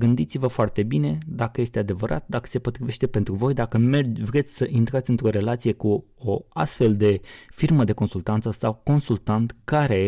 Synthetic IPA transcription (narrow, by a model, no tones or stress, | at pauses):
ɡɨnd̪it̪sivəfoart̪e̞bine̞d̪akəje̞st̪e̞ad̪e̞vəɾʔa̰t̪̚d̪akə̥se̞po̞t̪ɾive̞ʃt̪e̞pe̞nt̪ɾuvo̞jd̪akəmerd͡ʒvɾe̞t̪sʲsəʔint̪ɾat̪sɨnt̪ɾo̞ɾe̞lat̪sije̞ku | oa̰st̪fe̞ld̪e̞firməd̪e̞ko̞nsult̪ant̪səsawko̞nsult̪ant̪kaɾe̞